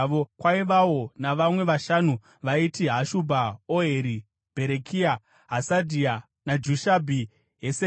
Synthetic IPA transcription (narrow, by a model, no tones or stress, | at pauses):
okwaiʋawo̞naʋamwe̞ʋaʃanu | ʋaitiɦaʃubʱaoɦeɾi | b̥ʱe̞ɾekʰia | ɦasadʱia | nad͡ʒuʃabʱi | ɦese